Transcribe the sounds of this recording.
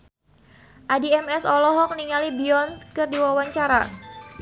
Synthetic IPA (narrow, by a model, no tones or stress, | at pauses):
ʔadiɛmɛsɔlɔɦɔk̚niŋalibiɔnskɨrdiwawaɲt͡ʃaɾa̰